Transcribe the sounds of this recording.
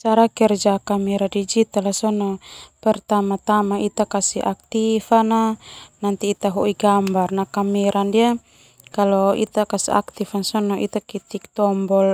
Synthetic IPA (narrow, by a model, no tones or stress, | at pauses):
t͡ʃaɾakɛrd͡ʒakamiɾadid͡ʒit̪alasɔnɔpɛrt̪amat̪amait̪akasiak̚t̪ifananant̪iːt̪aɦɔʔiɡambarnakamɛɾandia | kalɔḭt̪akasḭa̰k̚t̪ifansɔnɔʔit̪akit̪ik̚t̪ɔmbɔl